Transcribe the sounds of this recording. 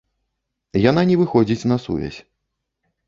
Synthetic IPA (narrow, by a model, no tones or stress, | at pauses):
jan̪anʲɛvɨxɔd͡zʲit͡sʲn̪ɐsṵvʲɛ̰sʲ